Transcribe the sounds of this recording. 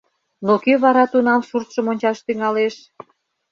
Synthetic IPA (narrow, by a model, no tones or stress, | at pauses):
nokyβɑɾɑt̪unɑmʃurt̪ʃəmonʲt͡ɕɑʃt̪yŋɑleʃ